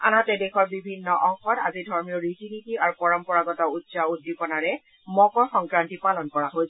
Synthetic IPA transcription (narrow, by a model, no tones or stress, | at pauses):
a̰nɦatɛdekʰɔɹbibʱinːɔʔɔŋxɔtazidʱɔɹmiʊɹitinitiaɹupɔɹɔmpɔɹaɡɔtɔutsaudːipɔnaɹɛ | mɔkɔɹxɔŋkɹantipalɔnkɔɹaɦojsɛ